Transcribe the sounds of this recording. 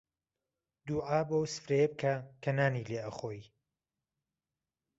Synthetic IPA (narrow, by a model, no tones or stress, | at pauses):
d̪uːʕaːbowsɨ̥fɾejeb̚kʰɐkʰɐnaːnileːʔɐχoːj